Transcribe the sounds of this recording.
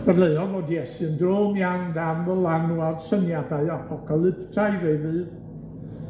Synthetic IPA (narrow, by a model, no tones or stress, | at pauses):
v̥ɛdlˠeɨɔvodiɛsɨəndroːmjaŋdamvəlˠanuaðsənjadaɨapʰɔkʰalˠɪptʰaɨvejvɨːð